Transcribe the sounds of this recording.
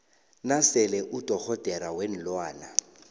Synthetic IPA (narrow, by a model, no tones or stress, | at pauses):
nasɛlɛʔʊd̥ʱʼɔɣʰɔd̥ʱʼɛɾawen̩lwaːna̰